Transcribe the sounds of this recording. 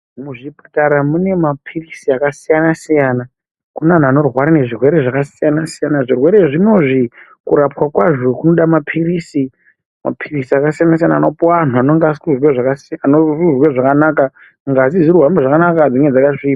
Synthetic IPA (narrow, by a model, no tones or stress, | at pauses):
muʐipataɾamune̞mapʰirisiakasijanasijaːna | kunan̤uano̞rwaɾane̞ʐirwe̞ɾe̞ʐakasijanasijanaʐirwe̞ɾe̞ʐino̞ʐikuɾapwakwaʐo̞kuno̞ɗamapʰirisi | ma̰pʰirisiakasijanas̬ijana̰ːnopoan̤uanoŋɡasuzweʐakasanoruzweʐakanaka | ŋɡazizirwambeʐakanakad͡zoŋɡed͡zakaʂiːa